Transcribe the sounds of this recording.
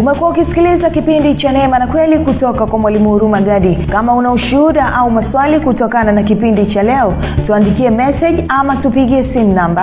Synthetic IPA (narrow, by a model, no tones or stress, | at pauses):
umɛkuwaukisi̥kilizakipindit͡ʃanɛmanakwɛlikutɔkakwamwalimuhuɾumaɡaɗikamaunauʃuuɗaʔaumaswalikutɔkananakipindit͡ʃalɛɔ | tuandikiɛmɛsɛʄamatupiɠiɛsimunamba